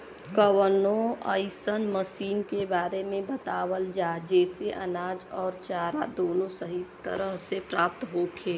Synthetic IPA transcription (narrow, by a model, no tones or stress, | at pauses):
kəwənõə̰ɪsənməsiːnkebaːɾemẽbət̪aːwəld͡ʒaːd͡ʒɛːseʔɐ̰naːd͡ʒɔːɾt͡ʃaːɾad̪oːnõsəɦit̪ːə̰ɾəɦsepɾaːp̚t̪ɦoːkʰeː